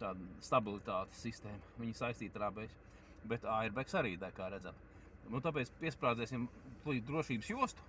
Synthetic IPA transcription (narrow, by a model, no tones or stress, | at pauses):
t̪aːd̪st̪abilˠit̪aːt̪e̥sːist̪ɛːmɐʋiɲsajst̪iːt̪aɾabɛsʲ | bɛt̪aːɛɾbɛksaɾḭːd̪ajkaːɾæd̪zam | nut̪ap̬ɛːt̪spiɛspɾaːd̪zɛːsʲimplˠiːd̪ɾuɔʃiːbsjuɔst̪u̥